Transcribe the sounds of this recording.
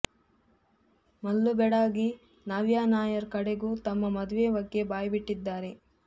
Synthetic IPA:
mɐlːubɛɽaːɡi | naːʋjaːnaːjɐɾkɐɽeɡuːt̪ɐmːɐmɐd̪uʋeːʋɐɡːe̞baːjɐbiʈːid̪ːaːɾe̞

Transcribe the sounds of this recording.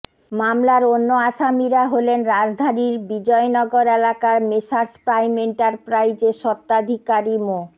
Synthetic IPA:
mamlaɾonːoaʃamiɾaɦolenɾad͡ʑd̪ʱaniɾbid͡ʑɔenɔɡoɾelakaɾmeʃaɾspɾajmeɳʈaɾpɾajd͡ʑeʃɔt̪ːad̪ʱikaɾimo

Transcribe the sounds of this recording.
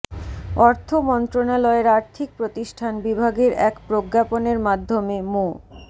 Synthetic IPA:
ɔɾt̪ʰomɔnt̪ɾonalɔeɾaɾt̪ʰik̚pɾot̪iʃʈʰanbibʱaɡeɾɛkpɾoɡːaponeɾmad̪ʱːomemo

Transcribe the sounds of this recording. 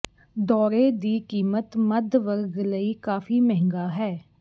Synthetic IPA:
d̪ɔːɾeːd̪iːkiːmət̪məd̪ʋəɾɡləiːkaːfiːmɛɦɪ̃ŋɡaːɦɛː

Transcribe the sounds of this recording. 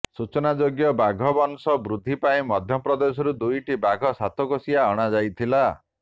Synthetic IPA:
sut͡ʃɔnad͡ʒoɡjɔbaɡʱɔbɔnsɔbɾud̪ʱːipaĩmɔd̪ʱjɔpɾɔd̪esɔɾud̪ujʈibaɡʱɔsat̪ʰɔkɔsiaɔɽ̃ad͡ʒajt̪ʰila

